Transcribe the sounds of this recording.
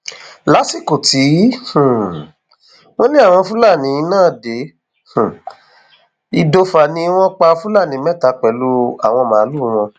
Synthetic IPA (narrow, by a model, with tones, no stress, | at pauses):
la˨˦si˦˨ko˨ti˨˦h̩˨ | w̃ɔ̃˦nĩ˦a˦˨w̃ɔ̃˧fũ˦la˦˨nĩ˨˧˦nãː˦˨de˨˦ | h̩˨ | i˧do˧fa˨nĩ˧˦w̃ɔ̃˦k͡pa˧fũ˦la˦˨nĩ˨˦mɛ˦ta˧˦k͡pɛ˨lu˧˦a˦˨w̃ɔ̃˧mãː˨˦lu˦˨˦w̃ɔ̃˧